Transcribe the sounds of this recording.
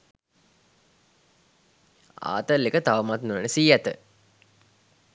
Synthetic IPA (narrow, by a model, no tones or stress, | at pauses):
a̰ːt̪əlːekət̪aʋəmat̪nuʋənəsiːæt̪ə̰